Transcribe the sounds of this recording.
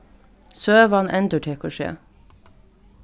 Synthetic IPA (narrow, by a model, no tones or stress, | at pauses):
søːʋɑnʔɛnd̪əʈʰeːkʰʊʃḛː